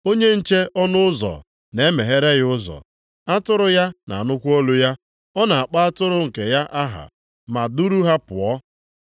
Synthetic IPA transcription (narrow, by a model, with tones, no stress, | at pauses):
o˦ɲe˦n̩˨t͡ʃe˦ʔɔ˦nʊ˦ʊ˦zɔ̰˨ | ne˨˦me˨ɦe˦ɾe˦ɣɪ˦ʊ˦zɔ̰˨ | a˦tʊ˦ɾʊ˨ja˦na̰˨nʊ˦kʷo˦lu˦ja˦ | ɔ˦na˨a˨k͡pa˦a˦tʊ˦ɾʊ˦ŋ̩˨ke˨ja˦ʔa˦ɦa̰˨ | ma˨du˦ɾu˦ɦa˦pʊ˨ɔ˦